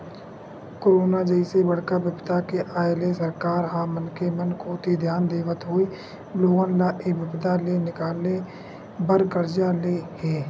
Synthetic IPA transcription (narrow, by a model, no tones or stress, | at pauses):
koːɾoːnad͡ʒəisebəɽ̤kabjəbt̪akeʔaːelesəɾkaːɾɦãːmənkemənkʰoːt̪id̪ʱjaːnd̪eːʋət̪ɦoːi | loːɡənlaʔebəbd̪alenɪkaːle | bəɾkəɾd͡ʒaleɦeː